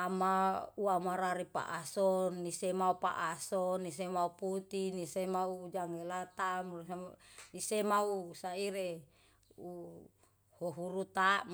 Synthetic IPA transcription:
amauamaɾaɾipa̰ʔasɔnːisemaupa̰ʔasɔnːis̬emauput̪inisemauːd͡ʒaŋelat̪am | nisemausaiɾe | u | hoɦuɾut̪am

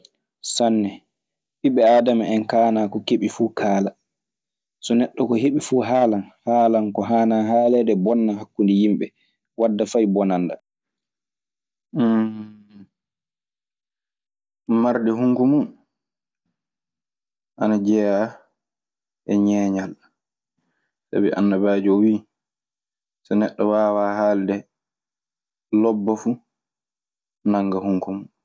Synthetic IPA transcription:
sanːɛ | ɓiɓɛaːdamaɛnkaːnakɔkeɓifuːkʰaːla | sɔnɛɗːɔkɔɦeɓifuːɦaːlanhaːlaŋkɔɦaːnaɦaːlɛdɛbɔnːaɦakːundijimɓɛ | wadːafajbɔnanda | maɾdɛɦuŋkumun | ʔanad͡ʒɛja | ʔɛɲɛːɲal | sa̰biʔa̰nːabad͡ʒɔwiː | sanɛɗːɔwaːwaːhaːldɛ | lɔbːafu | naŋɡahuŋkumun

